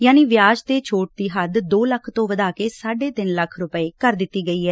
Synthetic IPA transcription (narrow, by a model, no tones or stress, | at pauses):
jaːniːʋɪjaːd͡ʒt̪eːt͡ʃʰoːʈ̚d̪iːɦəd̪d̪oːləkʰt̪õːʋəd̪aːkeːsaːɖeːt̪ɪnləkʰɾʊpəeːkəɾd̪ɪt̪ːiːɡəiːɦɛː